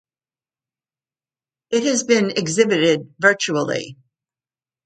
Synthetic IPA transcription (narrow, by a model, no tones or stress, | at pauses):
ɨt̚hɨzbɪ̃nɨɡzɪbɨɾɪd̚vɜ˞t͡ʃul̩ˠḭ